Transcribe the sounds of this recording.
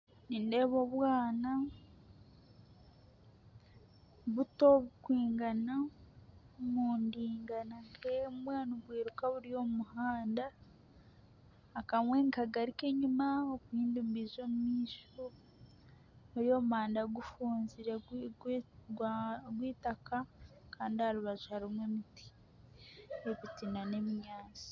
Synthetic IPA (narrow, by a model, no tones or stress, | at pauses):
ninde̞βo̞βwaːna | βuto̞βukwiːŋɡana | muːndiːŋɡanaŋkemumwaːnuɡwiːɾukaβuɾijo̞muhaːnda | kamwe̞ŋkaɡaɾike̞ɲumaokwiːndumbizo̞mumiːʃo | βuɾijo̞ːmuhaːndaɡufuːnziɾe | ɡwiːtaka | kaːndihaɾuβazuhaɾimwemiti̥ | eβitinane̞miɲaːt͡si̥